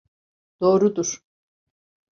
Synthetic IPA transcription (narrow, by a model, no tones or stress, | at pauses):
d̪̥o̞ːɾud̪uɾ̥